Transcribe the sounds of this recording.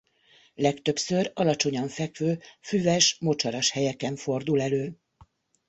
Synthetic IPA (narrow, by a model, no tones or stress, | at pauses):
lɛkt̪ø̞psø̞rɒlɒt͡ʃo̞ɲɒɱfɛkʋøːfyvɛʃmo̞t͡ʃɒɾɒʃhɛjɛkɛɱfo̞rd̪ulɛløː